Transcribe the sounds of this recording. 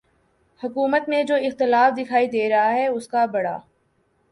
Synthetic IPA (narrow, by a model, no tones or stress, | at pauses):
hʊkuːmət̪mẽd͡ʒoːɪxt̪ɪlaːfd̪ɪkʰaːid̪eːɾɐɦaɦɛʊskabɐɽa̰ː